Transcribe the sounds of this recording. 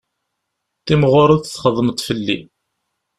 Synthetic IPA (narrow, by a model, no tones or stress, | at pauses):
θimʁʊɾˤəðθθχəðˤːmət̪ˤfəlːḭ